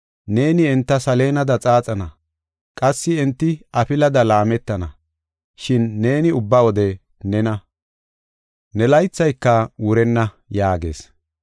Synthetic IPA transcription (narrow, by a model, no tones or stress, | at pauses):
ne̞ːnɪɛnt̪ːɐsɐle̞ːnɐd̪ɐt͡sʼaːt͡sʼɐnɐ | kʼɐsːɪɛnt̪ːɪɐpɪlɐd̪ɐlaːmɛt̪ːɐnɐ | ʃɪnːe̞ːnɪʊbːɐwɔd̪ɛ | nɛnɐ | nɛlɐjt͡sːɐjkːɐwʊɾɛnːɐ | jaːɡḛːs